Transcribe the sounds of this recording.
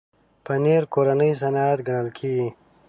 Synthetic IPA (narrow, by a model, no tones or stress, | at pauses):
pəneɾkoɾanəjs̬anaat̪ɡɐɳəlkʰiːɡi